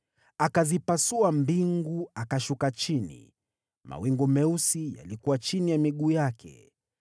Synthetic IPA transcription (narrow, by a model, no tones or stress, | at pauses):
akazipasuambiŋɡuakaʃukat͡ʃinḭ | ma̰wiŋɡumɛusija̰likuwat͡ʃinijamiɠuːjakʰɛ̰